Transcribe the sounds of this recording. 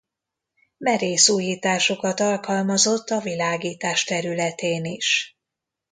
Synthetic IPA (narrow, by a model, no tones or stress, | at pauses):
mɛɾeːsuːjiːt̪aːʃo̞kɒt̪ɒlkɒlmɒzo̞t̪ːɒvilaːɡiːt̪aːʃt̪ɛɾylɛt̪eːniʃ